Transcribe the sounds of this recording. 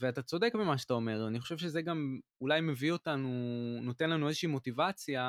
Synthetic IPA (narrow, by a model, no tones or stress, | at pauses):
veatat͡so̞de̞kbimaʃeat̪ao̞me̞ʁaniχo̞ʃe̞vʃe̞zeɡamulajme̞vio̞tanuno̞te̞nlanuezeʃiːmo̞tivat͡sja